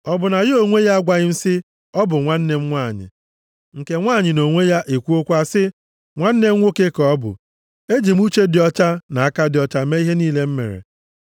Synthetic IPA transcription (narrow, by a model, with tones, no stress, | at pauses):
ɔ˦bʊ˨na˨jɪ˦o˨ŋʷe˦ja˦a˦ɡʷa˨ɣɪ˦n̩˦sɪ˦ | ɔ˦bʊ˨ŋʷa˦n̩˦ne˦m̩˦ŋʷa˦˨ɲɪ̰˨ | ŋ̩˨ke˦ŋʷaː˦˨ɲɪ˨no˨ŋʷe˦ja˦ʔe˨kʷu˦o˦kʷa˦sɪ˦ | ŋʷa˦n̩˦ne˦ŋʷo˦ke˦kɔ˦bʊ̰˨ | e˦d͡ʒi˨m˦u˦t͡ʃe˦dɪ˨ɔ˦t͡ʃa˦na˨a˦ka˦dɪ˨ɔ˨t͡ʃa˦me˦i˦ɦe˦niː˦le˦m̩˦mḛ˨ɾḛ˨